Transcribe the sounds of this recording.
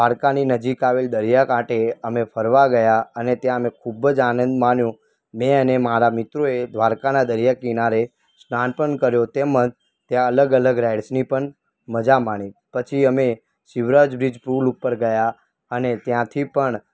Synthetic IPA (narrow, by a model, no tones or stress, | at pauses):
aɾkaninəd͡ʒikaʋeld̪əɾjakãʈeəmepʰəɾʋaɡəjaənet̪jãəmekʰubəd͡ʒanə̃nd̪manjũ | mẽənemaɾamɪt̪ɾoed̪ʱʋaɾkanad̪əɾjakinaɾe | snanpəɳkəɾjot̪emə̃d͡ʒ | t̪jãələɡələɡɾajɖsnipəɳ | məd͡ʒamaɳ̃ĩpət͡ʃʰiəme | ʃɪʋɾad͡ʒbɾid͡ʒpɾulupːəɾɡəja | ənet̪jãt̪ʰipəɳ